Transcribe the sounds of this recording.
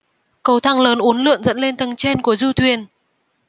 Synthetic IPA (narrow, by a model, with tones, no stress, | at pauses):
kə˧wt̪ʰa˧ŋləː˨˦nʔu˨˦ənlɨ̰˧˨əŋzə̰˧˥nle˧nt̪ə˨˩ŋt͡ɕe˧nku˧˩əzu˧t̪ʰwi˨˩ən